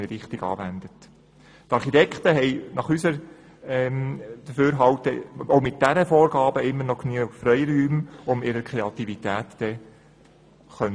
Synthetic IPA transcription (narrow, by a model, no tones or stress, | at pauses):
ɾɪχt̪ɪɡɑ̰ːʋænd̪ət | t̪ɑɾχitɛkt̪əɦɛɪnɑχysəɾ | ɛmd̪̥əføːɾɦɑwt̪əoʊmɪt̚d̥æɾəfɔːɾɡɑːbəɪmːəɾnɔknyəɡfɾœjɾyːmʊmɪɾəɾkʰʁeɑt̪ivit̪æːtd̥ɛ | χœnə